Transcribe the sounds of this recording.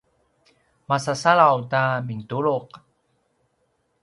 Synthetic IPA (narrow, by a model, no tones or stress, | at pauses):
masasaɭawtamiŋtuɭuq